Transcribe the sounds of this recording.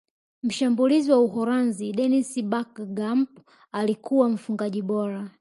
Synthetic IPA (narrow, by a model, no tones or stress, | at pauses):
m̩ʃambuliziwauhɔɾanziɗɛnisbakɡamp | alikʰuwam̩fuŋɡaʄiɓɔɾa